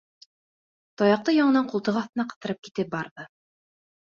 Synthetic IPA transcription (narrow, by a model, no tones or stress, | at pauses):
t̪ɒjɑq̚t̪ɤjɑɴɤ̆nɑɴqulˠt̪ɤʁɑθt̪ɤ̆nɑqɤ̆θt̪ɤ̆ɾɤp̚ki̥t̪ɘp̚bɑɾðɤ